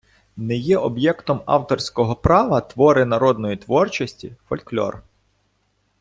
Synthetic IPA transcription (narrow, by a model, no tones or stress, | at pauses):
nɛjɛʔɔbjɛkt̪ɔmɑ̰wt̪ɔrsʲkɔɦɔpɾɑʋɐt̪ʋɔɾɪnɐɾɔd̪nɔjit̪ʋɔrt͡ʃɔsʲtʲḭfɔ̰lʲklʲɔ̰r